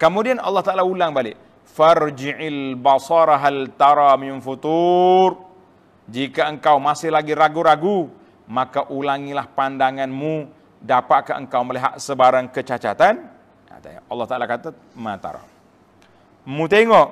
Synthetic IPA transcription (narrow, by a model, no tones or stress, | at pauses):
kəmudianɑlːɑht̪aʔalaulaŋbalɪʔ | fard͡ʒiʕalbasɑɾaɦalt̪aɾaminfut̪ur | d͡ʒikaəŋkawmasɪhlaɡiɾaɡuɾaɡu | makaʔulaŋilahpandaŋanmũ | dapaʔkaʔə̰ŋkawməliɦa̰ʔsəbaɾaŋkət͡ʃat͡ʃat̪an | a̰t̪ɑlːɑht̪aʔalakat̪a | mãt̪a̰ɾa̰ | mũt̪eŋɔʔ